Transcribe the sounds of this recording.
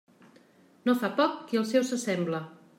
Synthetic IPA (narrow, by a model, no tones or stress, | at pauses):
nofapɔkːiəlˠsɛwsəsɛmblə